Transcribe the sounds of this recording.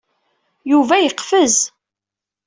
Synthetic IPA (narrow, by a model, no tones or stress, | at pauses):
juvæjəqfəz